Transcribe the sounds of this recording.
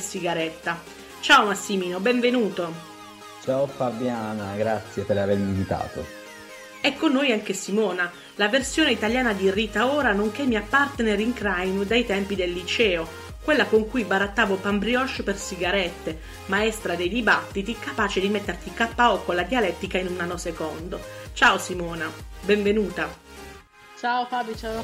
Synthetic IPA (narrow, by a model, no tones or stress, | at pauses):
siɡaɾɛt̪ːa | t͡ʃaːomasːimiːnobɛɱvenuːt̪o | t͡ʃaːofabjaːnaɡɾat̪sːjepeɾaveɾmiɱvit̪a̰ːt̪o̰ | ɛkːonːoːjaŋk̟esimɔːna | laversjoːneit̪aljaːnad̪iriːt̪aoːɾanoŋkɛmːiapːart̪eneɾiŋkɾajmd̪ajt̪ɛmpid̪elːit͡ʃɛːo | kwelːakoŋkujbaɾat̪ːaːvopambɾiɔʃpersiɡaɾɛt̪ːe | maɛst̪ɾad̪ejd̪ibat̪ːit̪ikapaːt͡ʃed̪imet̪ːert̪ikapːaɔkːolad̪ialɛt̪ːikainunanːosekɔnd̪ot͡ʃaosimɔːnabɛɱvenuːt̪a | t͡ʃaofabit͡ʃa